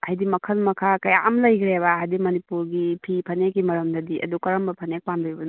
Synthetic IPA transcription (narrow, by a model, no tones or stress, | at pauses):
ɐhajdimɐkʰɐlmɐkʰakɐja̰ʔɐmlɐjkʰɾeβaɦajdimɐnipuɾɡipʰipʰɐnekːimɐɾɐmdɐdiʔɐ̰dukɐɾɐmbɐpʰɐnek̚pamdubɐn